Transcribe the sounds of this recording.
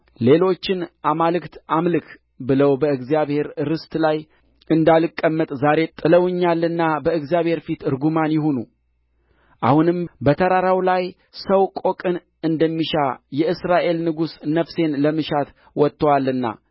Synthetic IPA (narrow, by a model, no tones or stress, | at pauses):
le̞lo̞t͡ʃːɪnʔamalɨkt̪ʔamlɨk | bɨləwbəɨɡzijaβhe̞ɾɾɨst̪ʰlaj | ɨnd̪alɨkʼːəmːət̪ʼzaɾe̞t̪ʼɨləwɨɲːalːɨnːabəɨɡzijaβhe̞ɾfit̪ɨɾɡumanjɪɦonu | ʔa̰hunɨmbət̪ʰəɾaɾawlaj | səwkʼo̞kʼɨn | ɨnd̪əmːiʃajɛʔɨsɾaʔe̞lnɨɡusnəfse̞nləmɨʃat̪ | wɔt̪ːəwalːɨnːa̰